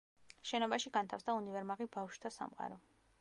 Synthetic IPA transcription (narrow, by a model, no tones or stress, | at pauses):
ʃɛnɔbaʃiɡant̪ʰafsd̪aunivɛɾmaʁibafʃud̪ʰasa̰mqʼa̰ɾɔ